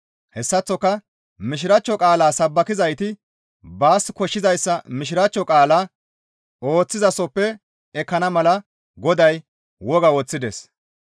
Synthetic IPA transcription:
hɛsːɐt͡sːɔkːɐ | mɪʃ̬ɪɾɐt͡ʃːɔkʼaːlaːsɐbːɐkɪzɐjt̪ɪ | baːskɔʃːɪzɐjsːɐmɪʃ̬ɪɾɐt͡ʃːɔkʼaːlaː | o̞ːt͡sːɪzɐsɔpːɛ | ɛkːɐnɐmɐlɐ | ɡɔd̪ɐj | wɔɡɐwɔt͡sːɪd̪ɛs

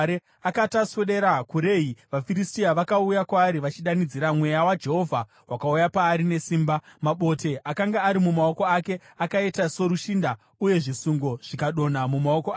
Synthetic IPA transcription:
e | akatasweɗeɾakuɾe̞iʋafiɾistiaʋakaujakwaːɾiʋat͡ʃiɗanid͡ziɾamwe̞jawad͡ʒe̞ɦo̞vʱa | wʔakaujapaːɾine̞siːmbamaɓo̞te̞ʔakaŋɡaːɾimumao̞ko̞ake̞ | akaetaso̞ɾuʃinda | uje̞ʐisuŋɡo̞ʐ̥ikaɗo̞namumao̞koa

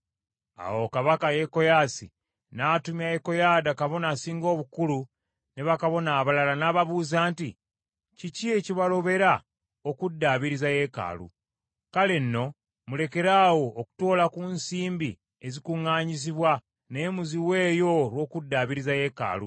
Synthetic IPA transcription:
a̰wo̞kaβakaje̞ko̞jaːsḭ | naːtumjajeko̞jaːdakaβo̞nasiːŋɡo̞ːβukulu | ne̞βakaβo̞naːβalalanaːβaβuːzaːnti | cicieciβalo̞βe̞ɾa | okudːaːβiɾizaje̞ka̰ːlṵ | kale̞nːo̞ | mule̞ke̞ɾaːwo̞ːku̥to̞ːlakunsiːmbi | e̞zikuŋːaːɲis̬iβwa | ne̞ːmuziwe̞ːjo̞lwo̞ːkudːaːβiɾizaje̞ka̰ːlṵ

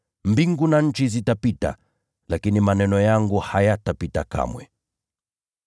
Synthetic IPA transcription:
mbiŋɡunaɲ̩t͡ʃizitapita̰ | lakinimanɛnɔjaŋɡuhajatapitaka̰mwɛ

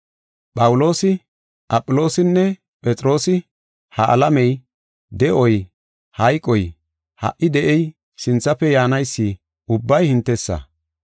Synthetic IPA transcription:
pʼɐwʊlo̞ːsɪ | ʔɐpʼːʊlo̞ːsɪnːɛ | pʼɛt͡sʼɾo̞ːsɪ | hɐʔɐ̰lɐmɛj | d̪ɛʔɔj | hɐjkʼɔj | hɐ̰ʔɪd̪ɛʔɛj | sɪnt͡sːɐpːɛjaːnɐjsːiː | ʊbːɐjhɪnt̪ːɛsːɐ̰

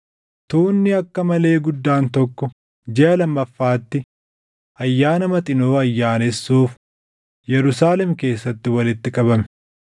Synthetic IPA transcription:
t̪uːnːɪɐkːɐmɐle̞ːɡʊd̪ːaːnt̪ɔkːɔ | d͡ʒɛʔɐlɐmːɐfːaːt̪ːɪ | ʔɐjːaːnɐmɐt̪ʼɪnoːɐjːaːnɛsːuːf | jɛɾʊsaːlɛmke̞ːsːɐt̪ːɪwɐlɪt̪ːɪkʼɐbɐmɛ̥

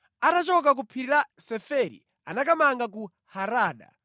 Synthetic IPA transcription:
atat͡ʃɔk̬ak̬upʰiɾiɾasɛfɛɾḭ | a̰nakamaŋɡaku | haɾaːɗa̰

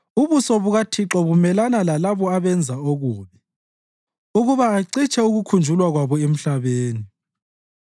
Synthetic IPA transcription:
uβusɔβuɣatʰiǁɔβumɛlanalalaβɔaβɛnd͡zʱaoɣuːβɛ | uɣuβaːǀit͡ʃʼʰɛuɣukʰund͡ʒʱulwaɣwaβɔem̩ɬaβeːni

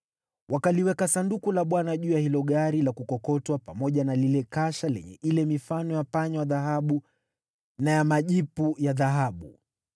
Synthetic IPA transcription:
wʔakaliwɛkasandukulaɓwanaʄuːjahilɔɠaɾilakukɔkɔtwapamɔʄanalilɛkaʃalɛ̰ɲɛ̰ʔilɛmifanɔjapaɲɔaðaɦaɓu | najamaʄipujaðaɦaɓu

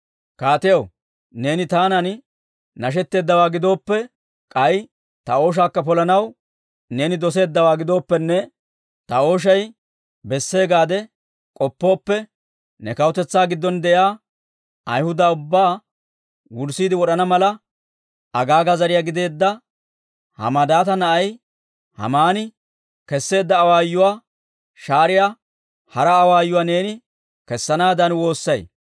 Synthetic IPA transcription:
kaːt̪ɛjɐw | ne̞ːnɪt̪aːnɐn | nɐʃ̬ɛt̪ːe̞ːd̪ːɐwaːɡɪd̪o̞ːpːɛ | kʼɐj | t̪ɐo̞ːʃ̬aːkːɐpɔlɐnɐw | ne̞ːnɪd̪ɔs̬e̞ːd̪ːɐwaːɡɪd̪o̞ːpːɛnːɛ | t̪ɐo̞ːʃ̬ɐj | bɛsːe̞ːɡaːd̪ɛ | kʼɔpːo̞ːpːɛ | nɛkɐwʊt̪ɛt͡sːaːɡɪd̪ːɔnd̪ɛjaː | ɐjhʊd̪ɐʊbːaː | wʊɾsiːd̪ɪwɔɗɐnɐmɐlɐ | ɐɡaːɡɐzɐɾɪjaːɡɪd̪e̞ːd̪ːɐ | hɐ̰mɐd̪aːt̪ɐnɐʔɐj | hɐ̰maːnɪ | kɛsːe̞ːd̪ːɐːwaːjːʊwaː | ʃaːɾɪjaː | hɐɾɐːwaːjːʊwaːne̞ːnɪ | kɛsːɐnaːd̪ɐnwo̞ːsːɐj

